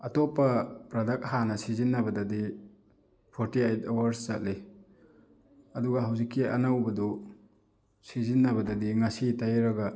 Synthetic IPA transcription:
ɐtopːɐpɾɐdɐk̚hanɐsizinːɐbɐdɐdi | pʰoɾtiajtawɐɾszat̚le | ɐduɡɐɦawzikːiɐ̰nawbɐdɔ | sizinːɐβɐdɐdiŋɐsitajɾɐɡɐ

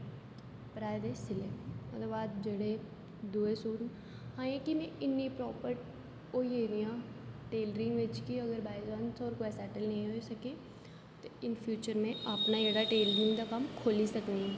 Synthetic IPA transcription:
pɾaːjd̪esɪlẽmɐt̪ɐbaːt̪̚d͡ʒɐɽe | d̪uːesuːɾn | hãːjẽkimẽɪnːipɾɔːpəɾʈ | oːeːɾijãʈeːlɾɪ̃ŋɡʋɪt͡ʃkiɐɡəɾbaːɪzʋɐ̃nsɔːɾkoɛsɛːʈəlnɐĩɦoːisɐke | t̪oɪnfʰjuːt͡ʃəɾmẽɐpnaeːɽaʈeːlɾɪ̃ŋɡd̪akɐmkʰoːlisɐkniɦɛ̃

